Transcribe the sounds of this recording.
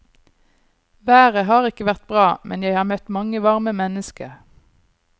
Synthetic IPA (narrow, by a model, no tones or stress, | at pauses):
ʋæːʁəɦɑːʁɪkəʋæʁt̪̚bʁɑːmʔɛnjæɪhɑːʁmœt̪mɑŋəʋɑʁməmɛnəskəʁ